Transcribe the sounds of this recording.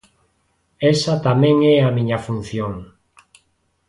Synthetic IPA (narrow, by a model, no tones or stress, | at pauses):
ɛsat̪amɛ̃ŋɛamĩɲafun̟θjoŋ